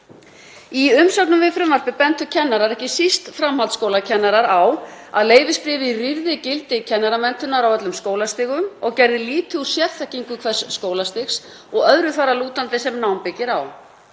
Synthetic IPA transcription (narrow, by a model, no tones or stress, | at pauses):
iʏmsœk̪nʏmvɪfɾʏmvaɾ̥pɪpɛnt̪ʏcʰɛnːaɾaɾɛhcɪsist̪fɾamhalt̪skowlacʰɛnːaɾaɾaw | a̰ðleːjvɪspɾɪːvɪriɾðɪcɪlt̪ɪcʰɛnːaɾamɛnt̪ʏnaɾawœt̪lʏmskoːwlast̪ɪːɣʏmɔɣcɛjɾðɪliːt̪ɪu̥sjɛɾθɛhcːiŋkʏkʰvɛ̥sːkoːwlast̪ɪxs | ɔɣœðɾʏθaɾːaluːt̪ant̪ɪsɛmnawmpɪcːɪɾaw